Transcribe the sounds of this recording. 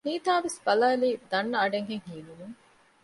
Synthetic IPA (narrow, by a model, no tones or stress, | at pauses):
niːt̪aːʋesbɐlaːliːd̪ɐnːɐɐɖeŋɡeŋhiːlumuŋ